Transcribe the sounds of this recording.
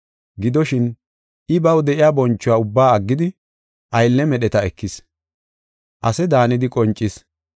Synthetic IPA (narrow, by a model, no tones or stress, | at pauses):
ɡɪd̪ɔʃɪn | ʔɪbɐwd̪ɛʔɪjaːbɔnt͡ʃːʊwaːʊbːaːɐɡːɪd̪ɪ | ʔɐjlːɛmɛɗɛt̪ɐɛkːɪs | ʔɐsɛd̪aːnɪd̪ɪkʼɔnt͡ʃʼːɪs